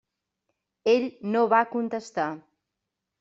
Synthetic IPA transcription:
eʎnoβakunt̪əst̪a

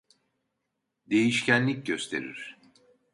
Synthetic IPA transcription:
d̪e̞jiʃcʰænlʲic̚ɟø̞st̪ʰe̞̰ɾḭɾ̥

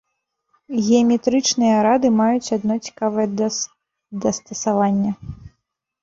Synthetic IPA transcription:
ɣʲɛɐmʲɛt̪ɾɨt͡ʂnɨjɐɾad̪ɨmajut͡sʲad̪̚nɔt͡sʲi̥kavɐjɐ | d̪ɐst̪ɐsavanʲːɐ

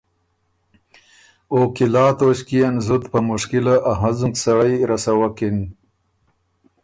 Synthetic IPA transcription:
oːkilɑːt̪oɕkijanzut̪pamʊʂkilaʔaɦazuŋksaɽajɾasawakin

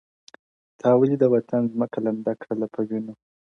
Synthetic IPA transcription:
t̪ʰɑwəlid̪əwat̪anzməkaland̪akʰɽalapʰəwino

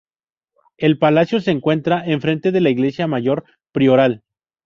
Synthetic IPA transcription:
e̞lpalasjo̞se̞ːŋkwe̞nt̪ɾaʔe̞ɱfɾe̞nt̪e̞ðe̞laiɣle̞sjamaʝo̞ɾ | pɾio̞ɾal

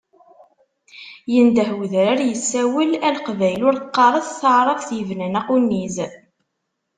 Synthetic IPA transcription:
jənd̪əɦwðɾaɾjəsːæwəlælqvæjlʊɾqːɑɾˤəðθəʕɾˤəfθjəvnænæqunːiz

